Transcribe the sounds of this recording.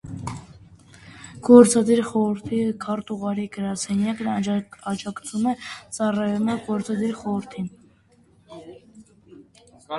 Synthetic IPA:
ɡ̥ɔɾt͡sɑd̪iɾχɔɾəɾt̪ʰikʰɑɾt̪uʁɑɾiɡəɾɑsɛnjɑknɑd͡ʒɑkt͡sʰumɛt͡sɑrɑjumɛɡɔɾt͡sɑd̪iɾχɔɾəɾt̪ʰin

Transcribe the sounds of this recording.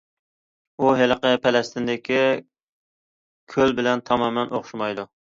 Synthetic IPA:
uɦeləqəpʰɛlɛst̪ʰɪnd̪ɪkʲʰi | kʲʰølbɪlɛnt̪ʰɑmɑmɛnʔoχʃumɑjd̪u

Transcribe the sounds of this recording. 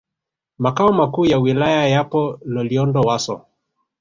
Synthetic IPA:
makaɔmakuːjawilajajapɔlɔliɔndɔwasɔ̰

